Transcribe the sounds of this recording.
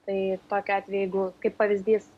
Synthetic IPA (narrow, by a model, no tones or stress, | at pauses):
t̪ɐɪt̪oːkʲʊɑːt̪ʲʋʲɛjɛɪɡʊkɐɪppːɐʋʲɪzʲd̪ʲiːs